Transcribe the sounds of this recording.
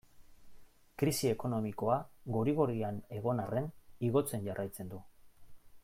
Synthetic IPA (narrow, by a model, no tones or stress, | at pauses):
kɾisie̞ko̞no̞miko̞aɣoɾiɣ̞o̞ɾiane̞ɣo̞narʔe̞niɣo̞t͡se̞nʝarʔajt͡se̞nd̪u